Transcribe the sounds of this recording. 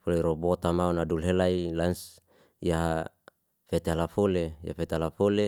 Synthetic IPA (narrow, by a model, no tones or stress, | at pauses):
foleiɾobot̪amaonadulɦelailans | jaɦa | fet̪eɦalafoleja̰fet̪ealafole